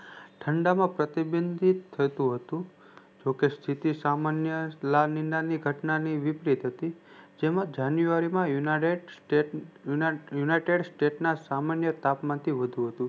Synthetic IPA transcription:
ʈʰəɳɖamãpɾət̪ibənd̪ʱit̪ʰːət̪ũɦət̪ũ | d͡ʒokest̪ʰit̪isamanjəlaninaniɡʱəʈnaniʋipɾit̪ɦət̪id͡ʒemãd͡ʒanjuʋaɾimãjueʈ | junaʈeɖsʈeʈnasamanjət̪apmãnt̪ʰiʋəd̪ʱũɦət̪ũ

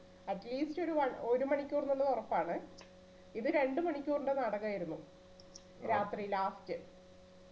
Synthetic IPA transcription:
ɐʈliːsto̞ɾuʋɐɳo̞ɾumɐɳikʲːuːrnɐnːɨorɐpːaːɳɨ | iðɨɾe̞ɳɖɨmɐɳikʲːuːruɳɖenɐɽɐɣaːjiɾunːu | ɾaːt̪rilaːftːɨ

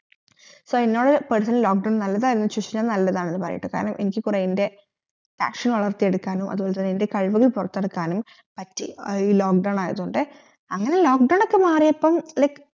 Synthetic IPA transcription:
soːenːo̞ːɽɨpɐɽusɐnlo̞ːk̚ɖɐwɳnɐlːɐðaːjiɾunːɐɕuɕinɐmnɐlːɐðaːɳenːɨpɐrɐ̰jḭʈːɨkaːɾɐɳɐmʔe̞nikʲːɨkureende̞ | ta̰ːkʂɐnʋɐɭɐrt̪ije̞ɽukːaːnumʔɐ̰ðuboːlet̪ːɐnːende̞kɐɻʋuɣɐɭpurɐt̪ːeɽukːaːnum | pɐtːiiːloːk̚ɖɐwɳaːjɐðuɳɖɨ | ɐŋːɐne̞lo̞ːkɖɐwɳokːemaːrijɐpːɐmlɐjk

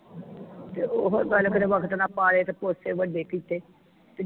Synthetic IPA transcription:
t̪eːoɦɡəlkəd̪eʋəkʰt̪nãːpaːɽeːt̪eːposeːʋəɖeːkiːt̪eː | t̪eː

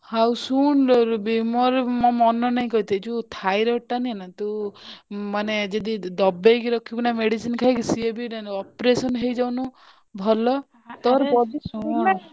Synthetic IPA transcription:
hawsuɳɾbimɔɾmɔmɔnɔnaĩkɔɦit̪et͡ʃut̪ʰajɾeoʈːanienat̪u | maned͡ʒed̪id̪ɔbejkiɾɔkʰibinameɽisinkʰajkisiebinanɔpɾesɔnɦejd͡ʒawnu | bʱɔlɔ | t̪ɔɾɔsu

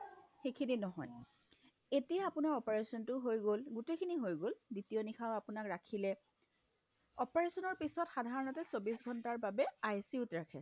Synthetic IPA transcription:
xekʰininɔɦɔj | etijaapʊnaɹɔpaɹesɔntʊɦojɡolɡutekʰiniɦojɡolditijɔnixʰaʊapʊnakɹakʰilɛ | ɔpeɹesɔnɔɹpisɔtxadʱaɹɔnɔtɛsobisɡʱɔntaɹbabɛajsiutɹakʰɛ

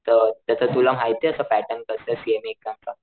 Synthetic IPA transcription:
t̪əɾt̪əsat̪ulam̤ajt̪eəsapæʈənkəɾt̪əsiemekːãnt͡sa

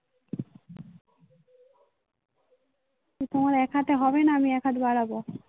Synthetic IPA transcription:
kit̪omaɾɛkʰat̪eɦɔbenaamiɛkʰat̪baɽabo

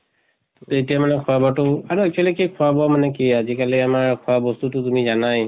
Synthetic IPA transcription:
etijamanɛkʰɔwabɔtʊaɹuɛk̚t͡ʃʰwalikekʰɔwabɔmanɛkiazikalɛamaɹkʰɔabɔstutʊtumizanaj

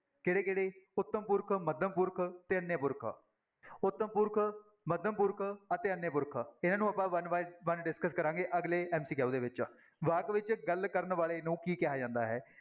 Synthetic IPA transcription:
keːɽeːkeːɽeːʊt̪ːəmpʊɾkʰməd̪ʱəmpʊɾkʰt̪eːənːjepʊɾkʰ | ʊt̪ːəmpʊɾkʰ | məd̪ʱəmpʊɾkʰət̪eːənːeːpʊɾkʰɪnãːnũːapãːʋənʋaʋənɖɪskəskəɾãːŋɡeːʔəɡleːʔɛːmsiːkɛːud̪eːʋɪt͡ʃ | ʋaːkʋɪt͡ʃɡəlkəɾnʋaːleːnũːkiːkɛɦaːd͡ʒãːnd̪a̰ːɦɛ̰ː

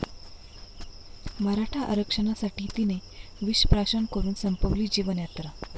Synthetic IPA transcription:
məɾaʈʰaʔa̰ɾəkʂəɳasaʈiːt̪ineʋiɕpɾaʂənkəɾuːnsəmpəʋliːd͡ʑiʋənjat̪ɾa

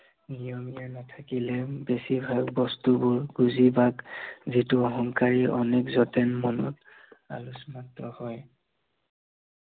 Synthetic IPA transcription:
nijɔmijanatʰakilɛbesibʱaɡbɔstubʊɹɡuzibaɡzituɔɦɔŋkaɹiʔɔnekzɔtɛnmɔnɔ̰t | a̰lusmatɔhɔj

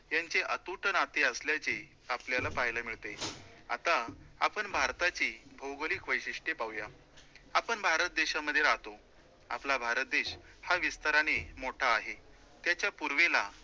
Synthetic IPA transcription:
jaɲt͡ɕeʔət̪uʈənat̪eəsljat͡ɕe | apljalapaɦjlamiɭt̪ea̰t̪aa̰pəɳbʱaɾt̪at͡ɕiːbʱəwɡlikʋəjɕiʂʈjepawja | apəɳbʱaɾət̪̚d̪eɕaməd̪ʱːjeaɦt̪o | a̰plabʱaɾət̪̚d̪eɕhaʋist̪aɾañemoʈʰaːɦe | t̪jat͡ɕjapuɾʋela

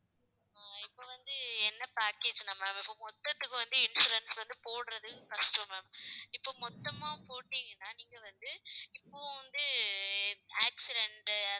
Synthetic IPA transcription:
aːɪpːoːʋɐnd̪ɯɛnːɐpaːkeːd͡ʒnɐmːɐɪpːoːmɔt̪ːɐt̪ːɯkːɯʋɐnd̪ɯɪnsuːɾɐnsʋɐnd̪ɯpoːɽɯɾɐðɯkɐsʈɐmɐmɪpːoːmɔt̪ːɐmaːpoːʈːiŋɡɐnːaːniːŋɡɐʋɐnd̪ɯɪpːoːʋɐnd̪ɯ | aːksɪɖɛɳʈɐ

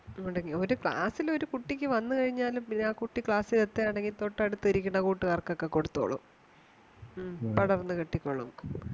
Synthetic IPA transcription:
uɳɖɐŋːio̞ɾukɭa̰ːsilo̞ɾukuʈːikʲːɨʋɐnːɨkɐɻiɲːaːlumpinːeaːkuʈːikɭaːsilet̪ːeaːɳeŋɡilt̪o̞ʈːɐɽut̪ːɐɾikʲːuɳːɐkuːʈːɨkaːrkokːeko̞ɽut̪ːoːɭɐ̰m | pɐɽɐrnːɨkiʈːikʲːoɭɐ̰m

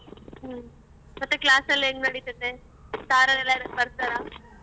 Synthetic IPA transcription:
ɦə | mɐt̪ːeklaːsɐlẽŋɡnɐɽit̪ət̪ːe | saːɾɐlelːaiɾəd̪̚pɐɾsɐɾa

